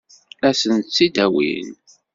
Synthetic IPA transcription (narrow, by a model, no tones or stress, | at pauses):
æsənt̪t͡sːid̪æwḭn